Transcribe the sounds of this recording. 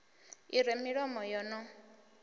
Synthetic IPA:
iɾɛmiɺɔmɔjɔnɔ

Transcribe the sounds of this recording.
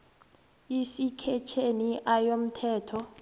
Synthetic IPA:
isikʰɛt͡ʃʰeniʔajom̩tʰɛːtʰɔ

